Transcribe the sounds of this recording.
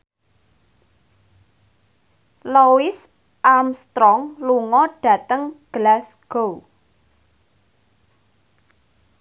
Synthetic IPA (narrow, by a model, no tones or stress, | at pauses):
lowɪs | ʔamst̪ɾɔŋluŋɔɖ̥ä̤t̪əŋɡ̥əlasɡ̥ow